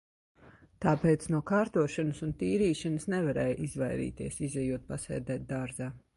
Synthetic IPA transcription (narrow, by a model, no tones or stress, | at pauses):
t̪aːpeːt̪snuɔkaːɾt̪uɔʃanəsunt̪iːɾiːʃanəsnɛvaɾɛːjʔizvajɾḭːt̪ḭɛsizɛjuɔt̪̚pasɛ̰ːd̪ɛːt̪̚d̪aɾzaː